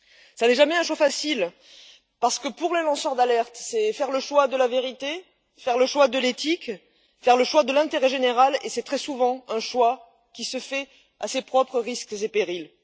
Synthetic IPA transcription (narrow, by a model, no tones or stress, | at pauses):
sanɛʒamɛɛ̃ʃwafasil | paʁsə̥kəpuʁlelɑ̃sœʁd̪alɛʁt̪sɛfɛʁləʃwad̪əlaveʁit̪e | fɛʁləʃwad̪əlet̪ik | fɛʁləʃwad̪əlɛ̃t̪eʁɛʒeneʁalesɛt̪χɛsuvɑ̃ɛ̃ʃwa | kʲisəfɛ | asepχɔpχəʁiskzepeʁil